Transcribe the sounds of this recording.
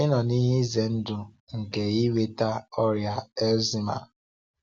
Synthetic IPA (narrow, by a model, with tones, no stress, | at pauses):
ɪ˦nɔ˨ni˦ɦɪ˦ze˨n̩˦dʊ˨ | ŋ̩˨ke˨i˦we˦ta˦ɔ˦ɾja˦e˦lzi˦ma̰˨